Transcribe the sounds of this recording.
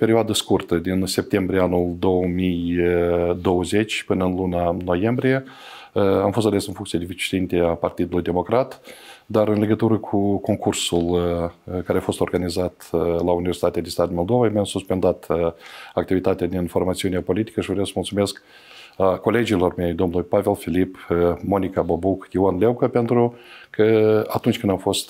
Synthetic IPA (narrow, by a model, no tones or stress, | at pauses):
pe̞ɾioad̪əskurt̪əd̪inse̞p̚t̪e̞mbɾieanuld̪o̞wəmij | d̪o̞wəze̞t͡ʃʲpɨnəɨnlunano̞je̞mbɾije̞ | amfo̞st̪ale̞sɨnfuŋkt̪sied̪evit͡ʃi̥t̪int̪eapart̪id̪ulujd̪e̞mo̞kɾat̪d̪aɾɨnle̞ɡət̪uɾəkʰuko̞ŋkʰursul | kaɾeafo̞st̪orɡanizat̪launivʲersit̪at̪ead̪est̪at̪mold̪o̞vajmeamsuspe̞nd̪at̪ | ak̚t̪ivit̪at̪ead̪info̞rmat̪siuneepo̞lit̪i̥kəʃivɾeawsəmult̪sume̞sk | kːo̞le̞d͡ʒilo̞rme̞jd̪o̞mnujpave̞lfilipmo̞nikabobukjiuanlewkəpe̞nt̪ɾukʰəat̪unt͡ʃʲkɨnd̪amfo̞st̪